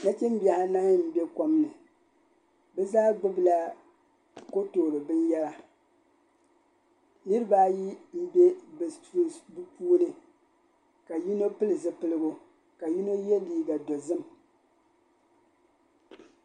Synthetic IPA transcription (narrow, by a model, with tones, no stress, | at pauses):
na˦t͡ʃɛ˦m˦bi˦a˨ha˦na˦ŋ˦m̩˦bɛ˦ko˨˦mnɨ˨ | bɛ˦zaː˦ɡ͡bʊ˦bɨ˦la˦ | ko˦toː˨ɾɨ˨bɨ˦n˦jɛ˦la˨ | nɨ˦ɾɨ˦baː˦ji˦m̩˦be˦bɨ˨ti˦bɨ˦puː˦nɨ˦ | ka˨ji˦no˦pɨ˦lɨ˨zɨ˦pɨ˦lɨ˦bo˦ | ka˨ji˦no˦jɛ˦liː˦ɡa˨do˨zɨ˦m